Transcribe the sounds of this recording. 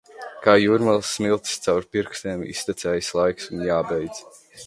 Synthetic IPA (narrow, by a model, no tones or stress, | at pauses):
kaːjuːɾmɛlˠsːmilˠt̪st̪sawɾpiɾkst̪eːmḭst̪ʲit̪sɛjslˠajksunjaːbɛjd̪z̥